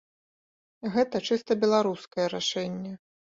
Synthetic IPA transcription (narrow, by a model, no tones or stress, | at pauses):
ɣɛt̪ɐt͡ʂɨst̪ɐbʲɛlˠaɾuskɐjɛɾaʂɛnʲːɛ